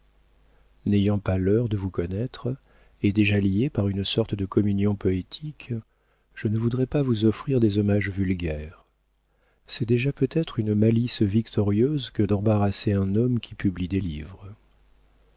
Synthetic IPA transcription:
nejɑ̃palœʁd̪əvukɔnɛt̪χ | ed̪eʒaljepaʁynsɔʁt̪əd̪əkɔmynjɔ̃pɔet̪ʰik | ʒ̥ənəvud̪ʁɛpavuzɔfχiʁd̪ezɔmaʒvylɡʲɛːʁ | sɛd̪eʒapøt̪ɛt̪χynmalisvikt̪ʰɔʁjøzkəd̪ɑ̃baʁaseɛ̃nɔmkʲʰipʰyblid̪elḭvʁə

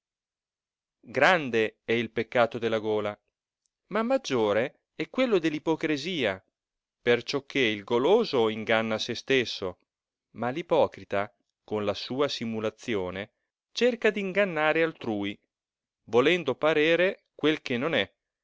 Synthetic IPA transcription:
ɡɾand̪eɛilpekːaːt̪od̪elːaɡoːla | mamːad͡ʒːoːɾe | ɛkwelːod̪elːipokɾiziːa | pert͡ʃɔkʰːeilɡoloːzoiŋɡanːasest̪esːo | malipɔːkɾit̪a | konlasuːasimulat̪sːjoːne | t͡ʃerkad̪iːŋɡanːaːɾealt̪ɾuːi | volɛnd̪opaɾeːɾe | kwelkenːonɛ

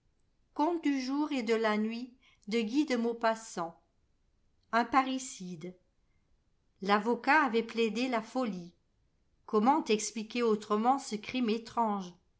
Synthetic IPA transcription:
kɔ̃t̪d̪yʒuːʁed̪əlanɥi | d̪əɡʲid̪əmopasɑ̃ | ɛ̃paʁisid̪ | lavɔkaːvɛpled̪elafɔli | kɔmɑ̃t̪ɛksplikʲeot̪χəmɑ̃səkχimet̪χɑ̃ʒ

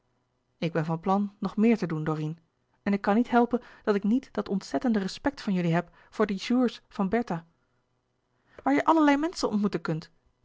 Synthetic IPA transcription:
ɪɡ̚bɛnvɑnplɑnːɔχmɪːɹtədundoːrin | ɛnɪkːɑnːitɦɛlˠpənd̥ɑtɪknitd̥ɑtɔntsɛtəndərəspɛk̚tfɑnjɵliɦɛp | fʊːɹdəʒuːɹsfɑnbɛɹta | ʋaːɹjəʔɑləɹlɛjmɛnsənɔ̰ntmutənkɵnt

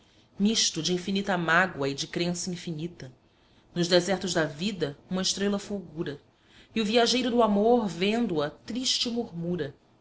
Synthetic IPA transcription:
miʃt̪ʊd͡ʒɪĩfinit̪ɐmaɡwɐɪd͡ʒɪkɾẽsɐĩfinit̪ɐ | nʊʒd̪ɛzɛχt̪ʊʒd̪ɐvid̪ɐũmɐɪʃt̪ɾelɐfuwɡuɾɐ | iuviaʒejɾʊd̪ʊamoɾvẽnd̪ʊɐt̪ɾiʃt͡ʃɪmuɾmuɾɐ

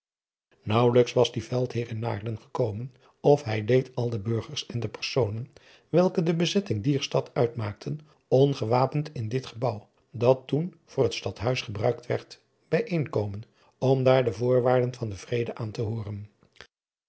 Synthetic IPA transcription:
nʌwləksʋɑzdivɛlˠtɦɪːrɪna̰ːɹdənχəkowmən | ɔfɦɛjdejtʰɑlˠdəbɵɹχəɹsɛndəpəɹsownən | ʋɛlˠkədəbəzɛtɪŋdiːɹstɑtœɥtmaːk̚tʰən | ɔnχəʋaːpəntɪndɪtχəbɑw | dɑtun | v̥ʊːrɦətstɑtɦœɥsχəbrœɥk̚tʋɛ̰ɹt | b̥ɛjʔejŋkowmən | ɔmdaːɹdəvʊːɹʋaːɹdənvɑndəvrejdəʔaːntəɦʊːrən

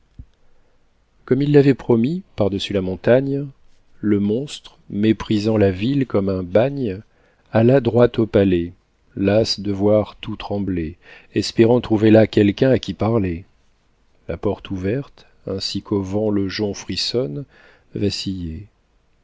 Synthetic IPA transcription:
kɔmilːavɛpχɔmipaʁd̪əsylamɔ̃t̪aɲ | ləmɔ̃st̪χ | mepχizɑ̃lavilkɔmɛ̃baɲ | alad̪ʁwat̪opalɛ | lasd̪əvwaʁt̪ut̪χɑ̃ble | ɛspeʁɑ̃t̪χuvelakʲɛlkʲɛ̃akʲipaʁlɛ | lapɔʁt̪ʰuvɛʁt̪ | ɛ̃sikʰovɑ̃ləʒɔ̃fχisɔn | vasije

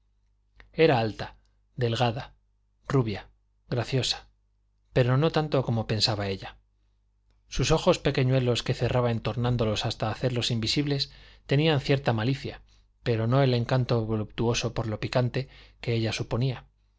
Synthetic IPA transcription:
e̞ɾaalt̪a | ðe̞lɣaða | ruβja | ɣɾaθjo̞sḁ | pe̞ɾo̞no̞t̪ant̪o̞ko̞mo̞pe̞nsaβae̞ʎa | suso̞xo̞spe̞ke̞ɲwe̞lo̞ske̞θe̞rʔaβae̞nt̪o̞ɾnãnd̪o̞lo̞sast̪aːθe̞ɾlo̞simbisiβle̞st̪e̞nianθje̞ɾt̪amaliθja̰ | pe̞ɾo̞no̞e̞le̞ŋkant̪o̞βo̞lup̚t̪uo̞so̞po̞ɾlo̞pikant̪e̞ke̞eʎasupo̞nia

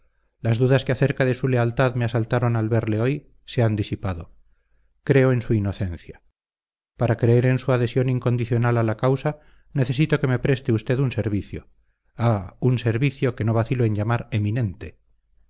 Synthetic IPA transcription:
lazðuðaskeaθe̞ɾkaðe̞sule̞alt̪aðme̞asalt̪aɾo̞nalβe̞ɾle̞o̞j | se̞and̪isipaðo̞ | kɾe̞o̞e̞nsuino̞θe̞n̟θja | paɾakɾe̞eɾe̞nsuaðe̞sjo̞niŋko̞nd̪iθjo̞nalalakawsa | ne̞θe̞s̬it̪o̞ke̞me̞pɾe̞st̪eust̪e̞ðunse̞ɾβiθjo | aunse̞ɾβiθjo̞ke̞no̞βaθiloeɲʎamaɾe̞minẽ̞nt̪e

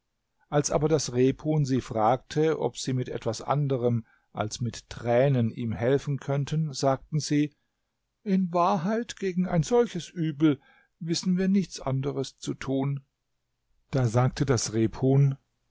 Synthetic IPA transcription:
ʔalsʔa̰ːbɐdasʁeːphuːnziːfʁ̥aːk̚tʰəʔɔ̰pz̥iːmɪtʔɛ̰tv̥asʔa̰ndəʁəm | ʔa̰lsmɪttʁ̥ɛːnənʔiːmhɛlfn̩kʰœntʰənzaːk̚tn̩ziː | ʔɪnvaːɐɦaɪtɡ̥eːɡŋ̩a̰ɪnzɔlçəsʔyːbl̩ | vɪsn̩viːɐnɪçt͡sʔa̰ndəʁəst͡sutʰuːn | d̥aːzaːk̚tʰədasʁeːpʰhoːn

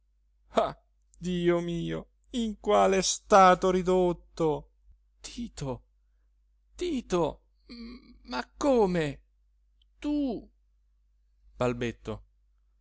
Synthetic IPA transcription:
a | d̪iːomiːo | iŋkwaːlɛst̪aːt̪oɾid̪ot̪ːo | t̪ʰiːt̪o | t̪iːt̪o | makːoːme | t̪u | b̥albet̪ːo̰

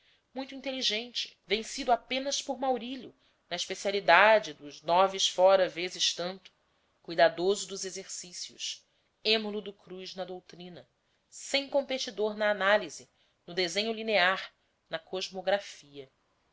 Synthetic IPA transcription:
mũj̃t̪uĩnt̪eliʒẽnt͡ʃɪ̥vẽsid̪ʊapẽnɐspʊɾmawɾilʊ | nɐiʃpesialid̪ad͡ʒɪd̪ʊʒnɔvɪʃfɔɾɐvezɪʃt̪ɐ̃nt̪ʊ̥ | kujd̪ad̪ozʊd̪ʊzezeɾsisiʊ̰s | ẽmolʊd̪ʊkɾuznɐd̪owt̪ɾĩnɐ | sẽj̃kõmpet͡ʃid̪oɾnɐːnalizɪ | nʊd̪ezẽɲʊlineaɾ | nɐkoʒmoɡɾafiɐ

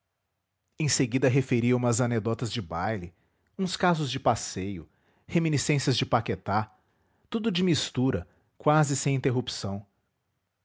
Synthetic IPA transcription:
ẽj̃seɡid̪ɐɦefeɾiɐũmɐzaned̪ɔt̪ɐzd͡ʒɪbajlɪ | ũskazʊzd͡ʒɪpasejʊ | hemĩnisẽsiɐzd͡ʒɪpaket̪a | t̪ud̪ʊd͡ʒɪmist̪uɾɐ | kwazɪsẽj̃ĩnt̪eɦupsɐ̃w̃

